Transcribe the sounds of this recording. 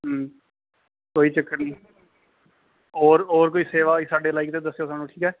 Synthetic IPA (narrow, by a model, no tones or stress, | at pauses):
ɦ | koːiːt͡ʃəkːəɾnĩː | oːɾoːɾkoːiːseːʋaːisaːɖeːlaːɪkt̪eːd̪əsːejoːsaːnũːʈʰiːkɛː